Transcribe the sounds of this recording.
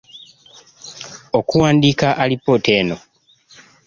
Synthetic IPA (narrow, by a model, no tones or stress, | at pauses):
o̞kuwaːndikaʔalipːote̞ːno